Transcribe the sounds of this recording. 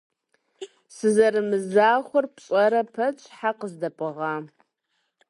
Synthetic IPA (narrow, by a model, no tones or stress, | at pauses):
sɨzɐɾɨmɨzaːχʷʊrpɕʼɐɾɐpʰɐt͡ʃʼħaqəzdɐpʼɨʁaː